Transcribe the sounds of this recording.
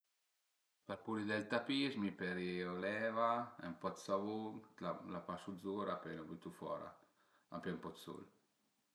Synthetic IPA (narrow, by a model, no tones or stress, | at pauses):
paɾpuɾid̪ɛlt̪apizmipɛɾiɔlɛːvaɛ̰mpɔt̪savuŋt̪lalapasuzuɾapɛnabyt̪ufɔ̰ːɾa̰ | a̰pɛmpɔt̪sṵl